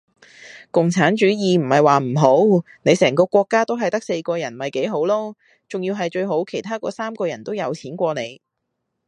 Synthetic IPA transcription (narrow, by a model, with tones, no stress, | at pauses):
kʊ˨ŋt͡sʰaː˨˥nt͡ʃyː˨˥jiː˨m̩˨˩hɐ˨jwaː˨m̩˨˩ɦo˨˥w | ne˨˧jsɛː˨˩ŋkɔː˧kʷɔː˧kːaː˥t̪o˥wɦɐ˨jt̪ɐ˥k̚se˧jkɔː˧jɐ˨˩nmɐ˨jke˨˥jɦo˨˥wlɔː˥ | t͡ʃʊ˨ŋjiː˧wɦɐ˨jt͡ʃɵ˧ɥɦo˨˥wkʰe˨˩jt̪ʰaː˥kɔ̰ː˧saː˥mkɔː˧jɐ˨˩nt̪o˥wjɐ˨˧wt͡sʰiː˨˥nkʷɔː˧ne˨˧j